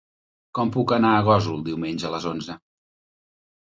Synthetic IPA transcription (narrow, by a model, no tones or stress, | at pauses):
kɔmpukənaəɣ̞ɔzulˠd̪iwmeɲʲʒələzonzə